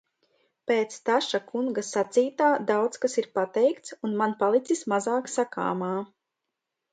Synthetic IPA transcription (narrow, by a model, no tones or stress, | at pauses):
peːt̪st̪aʃakuŋɡasat̪siːt̪aːd̪awt̪skasiɾpat̪ɛjkt̪sunmanpalˠit̪sismazaːksaka̰ːmaː